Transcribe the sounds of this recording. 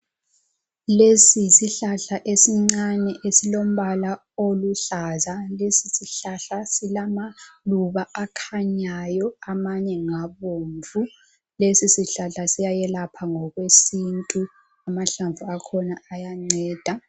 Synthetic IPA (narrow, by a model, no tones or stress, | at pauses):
lesisiɬaɬaʔesiŋ͡ǀanɛʔesilom̩βala | oluɬazalesisiɬaɬasilamaluβaakʰaɲajɔamaɲɛŋaβoːɱvu | lesisiɬaɬasijajɛlapʰaŋɔɣwesintʼu | amaɬaɱvuakʰɔnaːjaŋ͡ǀɛːd̥ʱa